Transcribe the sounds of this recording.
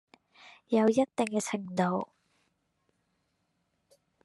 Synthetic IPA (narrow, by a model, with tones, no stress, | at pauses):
jɐ˨˧wjɐ˥t̚t̪ːɪ˨˩ŋkɛ˧t͡sʰɪ˨˩ŋt̪o˨˧w